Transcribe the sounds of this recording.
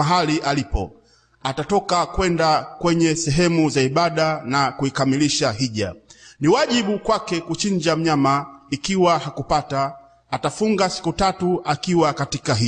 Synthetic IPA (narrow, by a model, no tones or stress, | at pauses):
aɦaliʔalipɔ̰ | atatɔkakwɛndakwɛɲɛsɛɦɛmuzaiɓaɗanakuikamiliʃaɦiʄa̰niwaʄiɓukwakɛkut͡ʃiɲd͡ʒam̩ɲamaikiwahakupataː | tafuŋɡasi̥kutatuʔakiwakatikaɦi